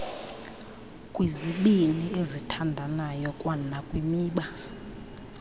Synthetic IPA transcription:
kʼwiziɓiliezitʰandʱanajɔkʼwanakʼwimiːɓa

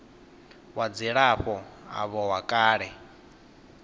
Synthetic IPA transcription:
wad͡ziɺaɸɔa̰βɔwakʼaːɺɛ

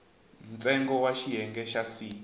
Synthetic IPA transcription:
m̩t͡sʼɛŋɡɔwaʃiɦɛŋɡɛʃasiː

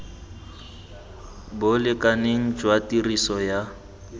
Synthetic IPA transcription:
bʊlɪkʼaneŋ̩d͡ʒwatʼirisɔja

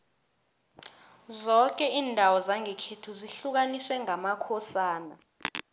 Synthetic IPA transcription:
zɔk̬ʼɛiːndʱawɔzaŋʱɛkʰetʰuziɬuk̬aniswɛŋʱamakʰɔsaːna

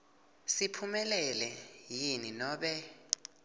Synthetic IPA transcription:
sipʰumɛlɛlɛjininɔːɓɛ

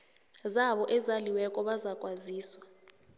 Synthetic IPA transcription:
zaɓɔʔɛzaliwɛkʼɔɓazakʼwaziːswa

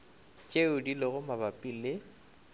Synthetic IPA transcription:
t͡ʃʼeʊdilɪɣʊmabapʼilɪ

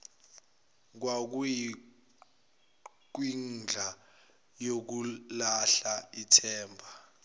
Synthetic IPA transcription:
k̬wak̬uji | k̬wind͡ɮʱa | jok̬ulaɬaitʰɛːmbʱa

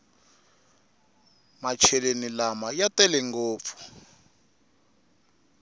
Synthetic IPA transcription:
mat͡ʃʰɛlenilamajatɛlɛŋɡoːp̪fu̥

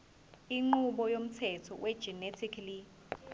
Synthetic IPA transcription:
iŋ͡ǃuɓɔjom̩tʰɛtʰɔwʔɛd̥d͡ʒ̥ɛnetʰikʰli

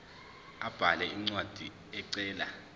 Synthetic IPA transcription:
ab̥ʱalɛiŋ͡ǀwad̥ʱi | ɛǀɛːla

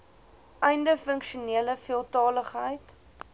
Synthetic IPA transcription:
ʔɛjndəfəŋkʃuniələfiəlˠtɑːləχɦəjt

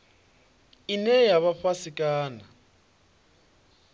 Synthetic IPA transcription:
ɪnɛjaβaɸwasɪkʼaːna

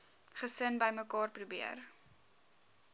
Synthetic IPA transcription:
χəsənbəjməkɑːrprubiər

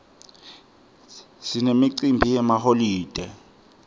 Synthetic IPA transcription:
sinemiǀimbʱijɛmaholiːd̥ʱɛ

